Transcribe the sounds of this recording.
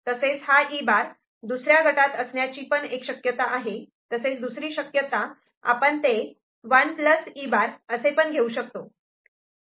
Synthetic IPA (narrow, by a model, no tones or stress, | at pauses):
t̪əset͡sɦaʔibaɾ | d̪usɾjaɡʱəʈat̪əsɳjat͡ɕiːpəɳekɕəkjət̪aʔaɦe | t̪əset͡sd̪usɾiːɕəkjət̪a | a̰pəɳt̪e | ʋənpləsibaɾəsepəɳɡʱeuɕək̚t̪o